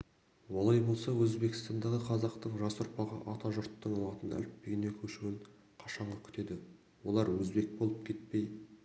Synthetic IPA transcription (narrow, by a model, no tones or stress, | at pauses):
wo̞lˠɑjbo̞lˠsɑwɵzbe̞kʲɪ̥st̪ɑnd̪ɑʁəqʰɑzɑqt̪əɴʒɑsʊɾpɑʁə̰ʔɑt̪ɑʒʊɾt̪ːəɴɑlˠɑt̪ənæ̰lɪp̪̚pe̞ɡʲene̞kʲʰɵʃɪwɪɴ | qʰɑʃɑɴʁɑkʲʰʏ̥t̪e̞d̪ɪ | wo̞lˠɑɾwɵzbe̞k̚bo̞lˠəp̚kʲʰe̞t̪̚pe̞j